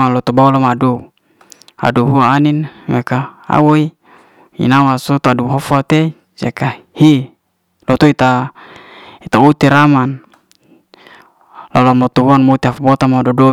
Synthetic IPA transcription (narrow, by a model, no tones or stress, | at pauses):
alot̪obaulamaado | a̰doɦuaːninmekaa̰woi | ḭnawasot̪oaduɦofat̪e | sakahi | lot̪oit̪a | it̪aut̪iɾaman | lalamot̪uɦuanmot̪iafbot̪amadodo